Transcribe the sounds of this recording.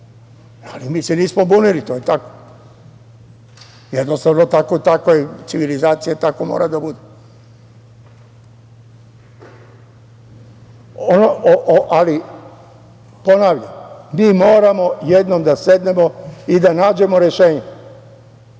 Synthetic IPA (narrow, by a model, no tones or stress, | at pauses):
alimiːseniːsmobunilit̪oːjet̪ako̥ | jed̪nost̪aʋnot̪akot̪akojet̪siʋilizaːt̪sijat̪akomo̰ːɾad̪abud̪e | onoʔoʔali | po̞naːʋʎammiːmo̞ːɾamo̞jed̪nomd̪ase̞d̪ne̞mo̞id̪anaːd͡ʑe̞mo̞ɾe̞ʃe̞ːɲe